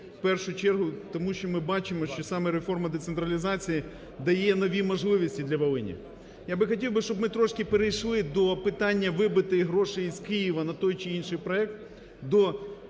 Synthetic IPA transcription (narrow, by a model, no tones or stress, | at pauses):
wpɛrʃʊt͡ʃɛrɦʊt̪ɔmuʃt͡ʃɔmɪbɑt͡ʃɪmɔʃt͡ʃɔsɑmɛɾefɔrmɐd̪et̪sent̪ɾɐlʲizɑt͡sʲiji | d̪ɐjɛnɔʋʲimɔʒlˠɪʋisʲtʲid̪lʲɐʋɐlˠɪnʲḭ | jabɪxɐtʲiwbɪʃt͡ʃɔbmɪt̪ɾɔʃkɪpeɾejʃlˠɪd̪ɔpɪt̪ɑnʲːɐʋɪbɪt̪ɪɦɾɔʃɪjizkɪjiʋɐnɐt̪ɔjt͡ʃɪinʃɪjpɾɔɛk̚t̪ | d̪ɔ